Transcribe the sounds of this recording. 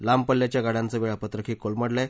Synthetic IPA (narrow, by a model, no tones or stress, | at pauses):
lampəlːjat͡ɕjaɡaɽãnt͡səːʋiɭapət̪ɾəkʰiːkolməɽla